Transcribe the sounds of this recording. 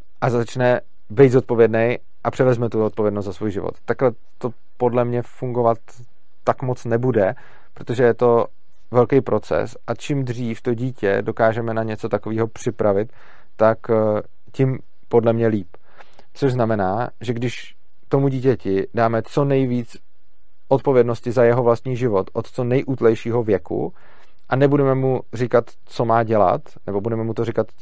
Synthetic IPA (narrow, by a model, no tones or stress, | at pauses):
ʔazat͡ʃnɛ | bɛjd̪zot̪̚po̞vjɛdnɛj | ʔapr̝̥ɛvɛzmɛt̪uo̞t̪̚povjɛdnost̪zasvuːjʒɪvo̰t̪ːaklɛ | t̪o̞ | po̞dlɛmɲɛfuŋɡovat̪ː | akmo̞t͡snɛbudɛ | pɾot̪oʒɛjɛt̪o̞ | vɛlkɛjpɾʔo̞t͡sɛ̰sʔat͡ʃɪmd̪riːft̪o̞ɟiːcɛ̰do̞kaːʒɛmɛnaɲɛt͡so̞t̪akoviːɦo̞pr̝̥ɪpɾavɪt̪ː | ak | cɪm | po̞dlɛmɲɛliːp | t͡soʒznamɛnaːʒɛɡdɪʃ | t̪o̞muɟiːcɛcɪdaːmɛt͡so̞nɛjviːt͡s | ʔot̪̚po̞vjɛdno̞scɪzajɛɦovlast̪ɲiːʒɪvo̞t̪ʔot̪t͡so̞nɛjʔuːt̪lɛjʃiːɦo̞vjɛkṵ | ʔanɛbudɛmɛmurɪkat̪ | t͡so̞maːɟɛla̰t̪nɛbo̞budɛmɛmut̪o̞ɾrɪkat̪